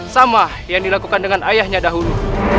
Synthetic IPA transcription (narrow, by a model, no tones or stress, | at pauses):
samahjaŋdilakukandəŋanajahɲadaɦulu